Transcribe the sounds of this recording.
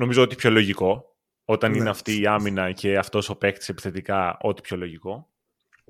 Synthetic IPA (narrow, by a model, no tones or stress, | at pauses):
no̞mizo̞o̞t̪ipço̞lo̞ʝiko̞ | o̞t̪ɐnineɐft̪iːɐminɐce̞ɐft̪o̞sope̞kt̪ise̞pi̥θe̞t̪ikɐo̞t̪i̥pço̞lo̞ʝiko̞